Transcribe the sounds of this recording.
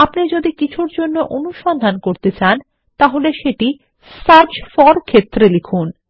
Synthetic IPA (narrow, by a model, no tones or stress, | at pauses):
apnid͡ʑod̪ikit͡ɕʰuɾd͡ʑonːoʔonuʃɔnd̪ʱankoɾt̪et͡ɕan | t̪aɦoleʃeʈi | saɾd͡ʑfɔɾkʰet̪ːɾelikʰun